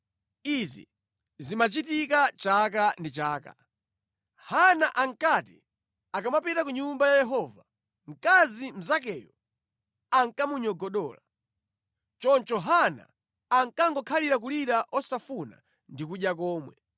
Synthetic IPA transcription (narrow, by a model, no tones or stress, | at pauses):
izḭ | zimat͡ʃitikat͡ʃak̬andit͡ʃaːka̰ | hanaʔaŋkati | akamapitak̬uɲumbajajɛɦɔva | ŋ̩kazim̩zakɛjɔ̰ | aŋkamuɲɔɡɔɗɔ̰ːla | t͡ʃɔnt͡ʃɔɦana̰ː | ŋkaŋɡɔkʰaliɾak̬uliɾaʔɔsafuna̰ | ndikuɗjakɔːmwɛ̰